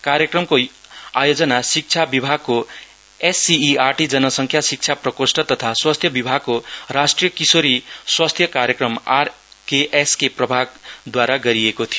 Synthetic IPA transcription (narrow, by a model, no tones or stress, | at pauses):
kaɾjʌkrʌmkoajod͡zʌnasik̚t͡sʰabibʱaɡ̚ko | esːiːarʈid͡zʌnʌsʌŋkʰjasik̚t͡sʰaprʌkosʈʌt̪ʌt̪ʰaswast̪ʰjʌbibʱaɡ̚korasʈrijʌkisoɾiswast̪ʰjʌkaɾjʌkrʌmar | keʔeskeprʌbʱaɡ̚d̪waɾaɡʌɾiekot̪ʰijo